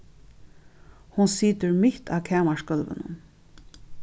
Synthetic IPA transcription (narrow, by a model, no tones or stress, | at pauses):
hʊnsiːt̪əɹmɪht̪ʰa̰ːkʰɛːmaʃkœlʋə̰nʊ̰n